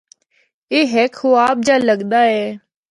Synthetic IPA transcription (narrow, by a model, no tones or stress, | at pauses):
eːɦeːkʰɦoːaːp̚d͡ʒaːləɠd̪aːɦɛː